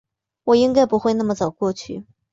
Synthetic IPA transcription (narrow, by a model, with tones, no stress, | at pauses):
wɔ˨˩i˥ŋka˥ɪpu˧˥xwe˧ɪna˥˩mə˨˩t͡sɑ˨˩ʊkwɔ˥˧t͡ɕʰy̰˥˩